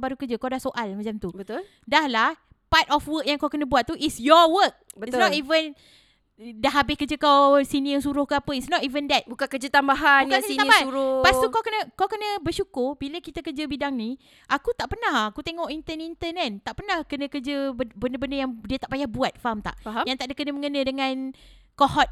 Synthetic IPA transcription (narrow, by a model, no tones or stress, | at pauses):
baɾukəd͡ʒəkawdahsoʔalmat͡ʃamt̪ubət̪ul | dahlah | pat̪ɔfwək̚jaŋkawkənə̃buat̪̚t̪uʔisjɔwək̚bəisnɔt̪ivən | daɦabɪhkəd͡ʒəkawsiniəsuɾʊhkəapəisnɔtivəndɛt̪̚bukakəd͡ʒət̪ambaɦaaiaauɾʊpast̪ukawkənə̃kawkənə̃bəʃukʊrbiləkit̪əkəd͡ʒəbidaŋni | ʔakut̪aʔpənahakut̪eŋɔʔint̪ənint̪ənan̚t̪aʔpənahkənə̃kəd͡ʒəbbəndəbəndəjaŋdiət̪aʔpajahbuat̪̚famt̪a̰ʔfaɦajaŋt̪aʔdəkənəmə̃ŋənə̃dəŋãnkɔɦɔt̪̚